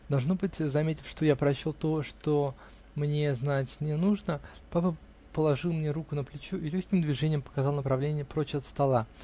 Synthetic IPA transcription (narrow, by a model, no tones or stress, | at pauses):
d̪ɐlˠʐno̞bɨtʲzɐmʲetʲɪ̥fʲʂt̪o̞japɾɐɕolˠt̪o̞ʂt̪o | mnʲeznatʲnʲɪnuʐnəpapə | pəlˠɐʐɨlˠmnʲeɾukʊnəplʲɪt͡ɕuʔɪlʲɵçʲkʲɪmd̪vʲɪʐɛnʲɪjəmpə̥kɐzɑlˠnəpɾɐvlʲenʲɪjəpɾot͡ɕɐt̪st̪ɐlˠa